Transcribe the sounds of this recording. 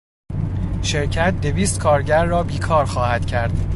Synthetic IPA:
ʃe̞ɾcʰæt̪̚d̪e̞viːst̪kʰɒːɾɟæɾːɒːbiːkʰɒːɾxɒːhæd̪̥cʰæɾd̪̥

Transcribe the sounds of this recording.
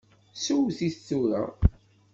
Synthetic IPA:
suwθiθθːuɾa̰

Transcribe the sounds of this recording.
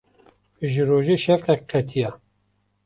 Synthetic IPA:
ʒɨɾoːʒeːʃɛfqɛk̚qʰɛt̪ʰijɑ

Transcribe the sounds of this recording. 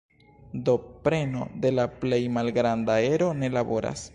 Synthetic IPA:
do̞pɾe̞no̞̰de̞laple̞jmalɡɾandae̞ɾo̞ne̞labo̞ɾa̰s

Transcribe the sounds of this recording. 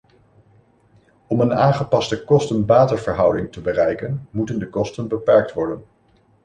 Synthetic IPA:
ɔmənaːnχəpɑstəkɔstənbaːtəɹvəɹɦʌwdɪŋtəbərɛjkənmutəndəkɔstənbəpɛɹk̚tʋɔɹdən

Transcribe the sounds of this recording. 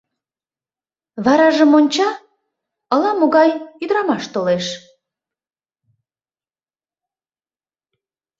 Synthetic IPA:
βɑɾɑʒəmonʲt͡ɕɑ | əlɑmoɣɑjyd̪ɾɑmɑʃt̪oleʃ

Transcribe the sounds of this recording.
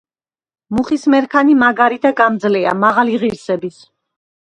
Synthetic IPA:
muχismɛɾkʰanimaɡaɾid̪aɡamd̪zlia̰maʁaliʁiɾsɛbis

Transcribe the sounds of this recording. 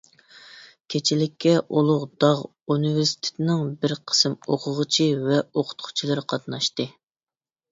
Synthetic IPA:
kʲʰet͡ʃʰilɪkʲʰːɛʔolˠʊʁd̪ɑʁ | unɨveɾsi̥t̪ʰe̥t̪ʰɪnɪŋbɪɾqʰə̥sɨmoqʰʊʁət͡ʃʰivɛoqʰʊ̥t̪̚qʰʊ̥t͡ʃʰilˠɨɾɨqʰɑt̪nɑʃt̪ɨ

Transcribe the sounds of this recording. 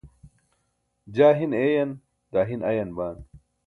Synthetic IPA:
d͡ʑaːɦineːjɐn | d̪aːɦinɐjɐnbaːn

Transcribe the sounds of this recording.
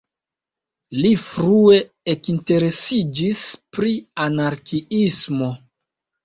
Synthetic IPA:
lifɾue̞ | ekinte̞ɾe̞sid͡ʒispɾianaɾkiismo̞

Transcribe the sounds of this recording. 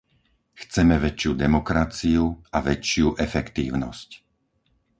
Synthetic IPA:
xt͡sɛmɛʋɛt͡ʃɪjud̪ɛmɔkɾat͡siuaʋɛt͡ʃɪuʔɛfɛkt̪iːʊnɔ̰sc

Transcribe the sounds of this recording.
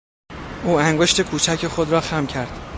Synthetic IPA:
ʔuːæŋɡo̞ʃt̪e̞kʰuːt͡ʃʰæcʰe̞xod̪ɾɒːxæmcʰæɾd̪̥

